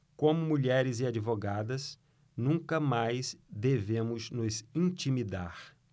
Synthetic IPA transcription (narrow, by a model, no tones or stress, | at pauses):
kõmʊmuʎɛɾɪzɪad͡ʒivoɡad̪ɐs | nũkɐmajsd̪evẽmʊznʊzĩt͡ʃimid̪a̰ɾ